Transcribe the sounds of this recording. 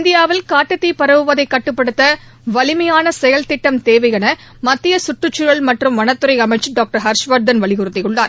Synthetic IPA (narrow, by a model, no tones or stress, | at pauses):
nd̪ɪjaːʋɪlkaːʈːɯt̪ːipɐɾɐʋɯʋɐðɐɪkːɐʈːɯpːɐɽɯt̪ːɐʋɐlɪmɐjaːnɐsɛjɐlt̪ɪʈːɐmt̪eːʋɐɪɣɐnɐ | mɐt̪ːɪjɐsʊʈrɯt͡ʃːʊɻɐɭmɐʈrɯmʋɐnɐt̪ːɯɾɐɪɐmɐɪt͡ʃːɯɖaːk̚ʈɐɾɦɐɾʂʋɐɾ̚d̪ɐnʋɐɭɪɣʊɾɯt̪ːɪjɯɭːaːɾ